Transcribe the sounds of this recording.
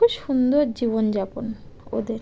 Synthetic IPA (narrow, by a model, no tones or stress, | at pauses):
uʃund̪oɾd͡ʑibond͡ʑapon | o̰d̪eɾ